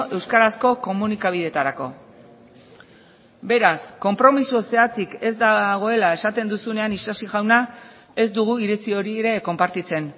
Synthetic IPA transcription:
ʔe̞wskaɾasko̞ko̞munikaβ̞ið̞e̞t̪aɾako̞̰ | be̞ɾasko̞mpɾo̞misose̞at͡sike̞zd̪aɣ̞o̞e̞lae̞sat̪e̞nd̪usune̞anisasiɣawna | e̞zd̪uɣ̞uiɾit͡sio̞ɾieɾe̞ko̞mpaɾt̪it͡se̞n

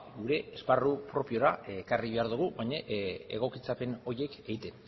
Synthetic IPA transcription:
ɡuɾe̞esparupɾo̞pio̞ɾakariβ̞e̞aɾðuɣ̞uβajɲaʔḛɣ̞o̞kit͡sape̞no̞je̞ke̞ɣit̪e̞n

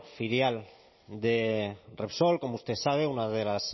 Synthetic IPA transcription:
fiɾjal | d̪erepsolkomust̪esaβ̞eunaðelas

